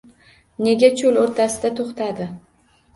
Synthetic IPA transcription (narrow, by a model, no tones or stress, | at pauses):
ne̞ɡʲat͡ʃʰoloɾt̪ʰasɪd̪at̪ʰoχt̪ʰad̪ɪ